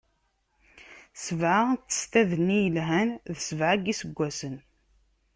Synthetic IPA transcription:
səvʕat͡sːə̥st̪æðənːijəlɦænðsəvʕaɡisəɡʷːæsən

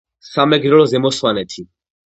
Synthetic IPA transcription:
samɛɡɾɔlɔzɛmɔswanɛt̪ʰi

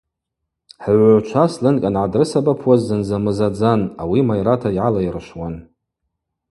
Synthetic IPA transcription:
ħʕʷʕt͡ʃʷʰaslɨnkʼanʕadrɨsabapʰwazːɨnzamɨzad͡zanawimajɾatʰajʕalajrʃwan

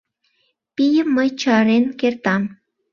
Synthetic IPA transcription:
pijəmːət͡ʃɑɾenkert̪ɑm

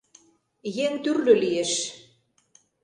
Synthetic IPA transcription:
jeŋt̪yrlø̆lieʃ

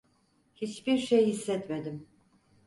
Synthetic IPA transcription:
hit͡ʃbiɾʃejhisːɛt̪med̪im

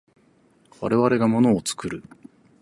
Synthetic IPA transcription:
βa̰ɾe̞βaɾe̞ɡamo̞no̞ːt͡sɨ̥kɯɾɯ̟

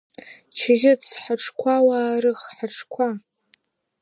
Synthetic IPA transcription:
t͡ʃʰɣʲɪt͡sʰħaʈ͡ʂʰkʷʰawaːrɨχħaʈ͡ʂʰkʷʰa

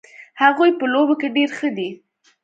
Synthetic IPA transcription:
haɣujpəlobokeɖeɾxəd̪i

